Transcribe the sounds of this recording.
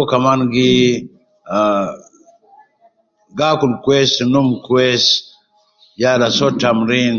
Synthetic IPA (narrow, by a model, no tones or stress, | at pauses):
kamanɡi | ɡakunkwɛsnumkwɛs | jalasɔtamɾin